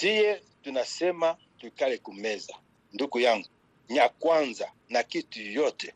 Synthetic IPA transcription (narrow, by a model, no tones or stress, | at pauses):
tije | tunasema | tukalekumeza | ndukujaŋɡo | ɲakwanza | nakitujote